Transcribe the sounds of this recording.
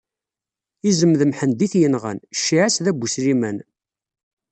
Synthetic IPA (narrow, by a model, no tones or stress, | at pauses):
izəmðəmħənd̪iθjənʁə̰nʃːiʕæsðæbʷusɾimæn